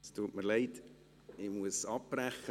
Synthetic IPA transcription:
stuətməɾlɛɪt | imuəsɑpːræχə

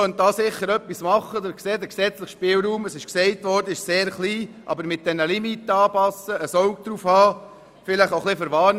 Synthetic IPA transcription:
œnt̚d̪ɑːsɪχːəɾœpːismɑχːəd̪əɾksɛd̪əksɛt͡sləχʃpɪːlɾuːməsɪʃksɛɪt̪ʋɔɾdəɪʃseːɾχliː | ʔɑ̰bəɾmɪt̚d̥̪ɛnəlimitəɑːpɑsəəsɔʊk̚d̥̪ɾuːfhɑː | fɪləχoχlɪfəɾʋɑːn

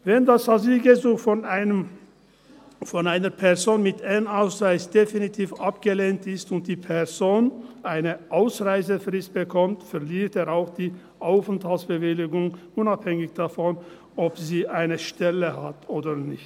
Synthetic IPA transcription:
vɛndashaziːɡəzuːxfɔnaɪnəm | fɔnaɪnəpʰɛɐzoːnmɪtʰanaʊsʁaɪsd̥efinitʰiːfapɡ̥əleːntɪstʊnt̚d̥iːpʰɛzoːnʔaɪnəʔaʊsʁaɪzəfʁɪst̚b̥əkʰɔmtfɛʁliːʁteːɐʁaʊxd̥iː | ʔaʊfn̩thalsb̥əvɪlɪɡʊŋ | ʊnaphɛŋɪçd̥afɔn | ɔpziːʔaɪnəʃtɛləhatʰoːdənɪçt

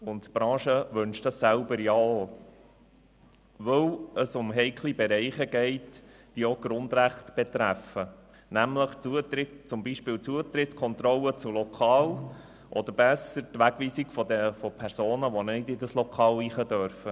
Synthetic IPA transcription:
ʊntb̥ɾɑ̃ːʃəʋʉnʃtɑsːælbəɾjɑo | ʋɵwəsʊmɦɛɪkʰlibɛɾɛɪχəɡɛɪt | d̥ioɡ̥ɾʊnd̪ɾæχtb̥ɛt̪ɾæfə | næmləχuətɾɪt͡sʊmbiʃpɪːlt͡suət̪ɾɪtskʰɔnt̪ɾɔlət͡sʊlɔkʰɑːl | ʔɔd̪əɾbɛsəɾtʋæɡ̥ʋiːsiɡ̥fɔd̪ɛfɔpʰɛɾsoːnəʋɔnɪdɪdəslɔkʰɑːliːχədœɾfə

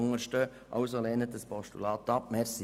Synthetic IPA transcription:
ʊŋəɾʃtøː | ʔɑ̰ʊsoleːnət̚dəspɔʃtṵlɑːt̪ɑp̚mɛɾsi

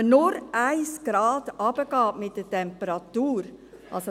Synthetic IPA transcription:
nʊɾʔaɪsɡ̥ɾɑːd̥ɑb̥əɡ̥ɑːmɪt̚d̥ətʰɛmpəɾɑtuːɾ | ʔɑls

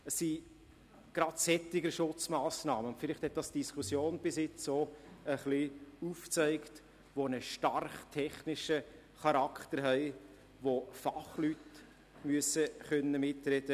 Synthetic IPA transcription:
əsi | ɡ̥ɾɑdsɛtːɪɡəɾʃʊt͡smaːsnɑːməʊntfɪlɪχt̪hɛt̪̚d̥ɑsd̥iskʰusjoːnb̥ɪsɪt͡soəχliuft͡sæɪkt | ʋonəʃtɑrχtʰɛχnɪʃə | χɑɾɑkχt̪əɾɦɛɪ | ʋofɑχlyt | myəsəχœnːəmɪtɾɛdə

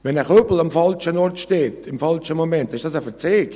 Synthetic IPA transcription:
vɛnəχøbl̩ɑmfɑlt͡ʃənɔɾtʃteːtɪmfɑlʃəmomɛntːɪʃd̥ɑsəfɛt͡seːk

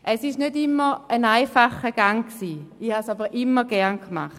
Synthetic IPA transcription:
ʔɛsɪʃnødɪmːəənaɪfaχəɡ̥aŋksiːihasabəʁʔɪmːəɡ̥ɛɐʁnkma̰χt

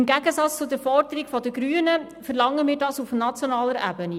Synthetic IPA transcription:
mɡæɡəsɑt͡st͡sʊd̪əɾfɔrd̥̪əɾiɡfɔd̪əɡɾyːənə | fɛɾlɑŋəmiːɾdɑsufnɑt͡sjonɑːləɾæ̰bəni

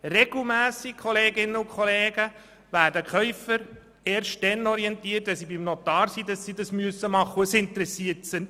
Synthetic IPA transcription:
rɛɡ̥l̩mæːsikʰɔleːɡɪnːəʊkʰχɔleːɡ̥ə | ʋæːɾdəkχœʏfəɾ | eːɾʃt̚d̥ɛnɔɾiɛntiːət̚dɑsibimnotɑːɾsidɑsːidɑsmyəsːəmɑχːəuəsɪnt̪əɾɛsiətsə

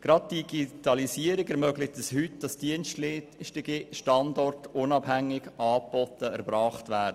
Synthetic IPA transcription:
ɡ̥ɾɑd̚d̥iɡitɑlisiəɾɪɡɛɾmœɡlɪk̚təshytd̥ɑsd̥iənʃtʃtɪɡiʃtɑndɔrtʊnɑbhæŋːɪɡɑːbɔtəɛɾbɾɑːχtʋæːɾdə

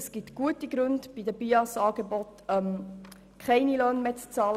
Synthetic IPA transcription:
əsɡ̥ɪtɡ̥uətiɡɾʉndb̥idəbiɑsɑːɡ̥ebɔtɛm | kʰχɛɪnilœːnmeːt͡st͡sɑːl

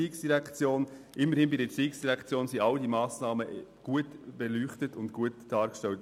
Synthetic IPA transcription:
iːksd̥iɾækt͡sjoːnʔɪmːəɾhɪnbidət͡siːksd̥iɾækʰt͡sjoːnsiʔɑldimɑːsnɑːməʔɡ̥uətb̥ɛlyːχtətʊntkuətd̥ɑːɾkʃtɛlt

